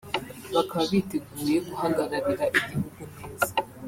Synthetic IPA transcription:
βakʰaβaβiteɡuːje̞ɡuhaːŋɡaɾaɾiɾaʔiɟihuɡumiːzi

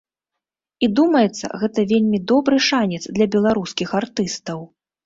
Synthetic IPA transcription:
id̪umɐjɛt̪sːɐ̰ɣɛt̪ɐvʲelʲmʲid̪ɔbɾɨʂanʲɛt̪zd̪lʲɐbʲɛlˠaɾuskʲixart̪ɨst̪ɐw

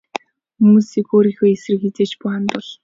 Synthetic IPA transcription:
xumuːsikoːɾiːxoːjesrɘ̆ket͡seːt͡ɕpʊːant̪ʊɮ

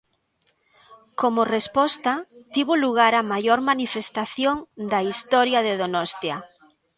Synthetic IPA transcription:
komorespɔst̪at̪iβoluɣ̞aɾamajoɾmanifest̪aθjoŋd̪ɐist̪ɔɾjaðeðonɔst̪ja

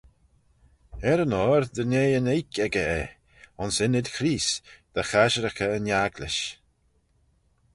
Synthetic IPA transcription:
ɛɾənɔːɾd̪əneːənejkʰɛɡəɛ | ʊnsɪnɪd̪xʰɾiːsd̪̥axaʃəɾəxəənjaɡlɪ̰ʃ

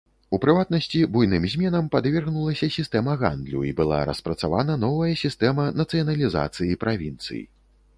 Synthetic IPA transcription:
upɾɨvat̪̚nɐsʲt͡sʲibujnɨmzʲmʲɛnɐmpad̪vʲɛrɣnulˠɐsʲɐsʲist̪ɛmɐɣa̰nd̪lʲṵibɨlˠa̰ɾɐ̰spɾɐt̪savanɐn̪ɔvɐjɐsʲist̪ɛmɐnɐt̪sɨjɐnɐlʲiza̰t̪sɨjipɾʔavʲint̪sɨ̰jḭ

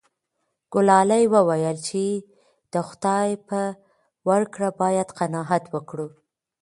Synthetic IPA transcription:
ɡ̥ʊlɑlajwəwajəlt͡ʃe | d̪̥əxʊd̪̥ɑjpə | waɽkɽabɑjad̪qanɑɦat̪wəkɽu

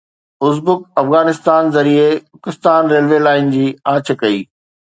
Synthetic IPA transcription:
ʊzbʊkɐfɣaːnɪst̪aːnzɐɾiepʊkɪst̪aːnɾeːlʋelaːɪnd͡ʑiːãːt͡ɕʰə̆kɐiː

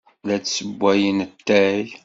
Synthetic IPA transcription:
læt͡ssəbːæjənət̪ːæj

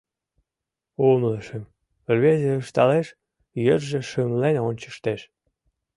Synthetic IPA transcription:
omləʃəm | rβezeəʃt̪ɑleʃ | jərʒĕʃəmlenonʲt͡ɕə̥ʃt̪eʃ

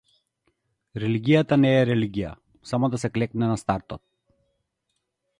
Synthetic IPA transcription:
ɾɛliɡʲijat̪anɛːɾɛliɡʲija̰ | samɔd̪asɛklɛknɛnast̪aɾt̪ɔt̪̚

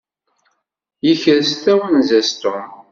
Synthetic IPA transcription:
jəçəɾst̪æwənzæst̪ʊm

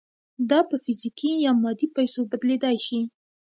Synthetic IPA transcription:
d̪ɑpəfɪzikijɑmɑd̪ipajsobad̪led̪ajʃi

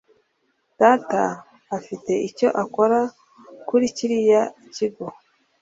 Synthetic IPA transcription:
d̥ataː | fite̞ʔico̞ʔako̞ɾa | kuɾiciɾijaiciɡo

